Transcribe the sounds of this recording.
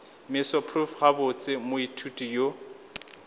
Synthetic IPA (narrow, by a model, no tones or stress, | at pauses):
mɪsɔpʰrufχabʊt͡sʼɪmʊitʰutʼijo